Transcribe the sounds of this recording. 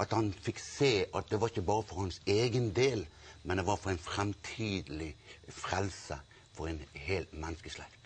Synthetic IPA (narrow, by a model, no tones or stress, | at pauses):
ʔɑt̪hɑnfɪkseːʔɑt̪̚d̪ɛʋɑɾɪçːəbɑːɾəfɔɾhɑnseːɡənd̪eːlmɛnd̪ɛʋɑɾfɔɾɛnfɾɛmt̪ʰiːd̪əlɪfɾɛlsə | fɔɾɛnheːlt̪mɛnːəskəslɛ̰ːɡ̪